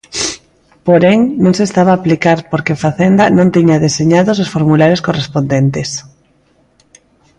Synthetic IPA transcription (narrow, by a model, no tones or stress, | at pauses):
poɾeŋnõŋsest̪aβaːplikaɾpoɾkefaθend̪anõnt̪iɲaðeseɲaðos̬osfoɾmulaɾeskorespond̪ent̪es